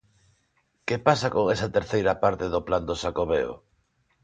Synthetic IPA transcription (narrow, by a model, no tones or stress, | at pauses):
kepasakoŋesɐt̪eɾθejɾɐpaɾt̪eðʊpland̪oʃakoβeo̰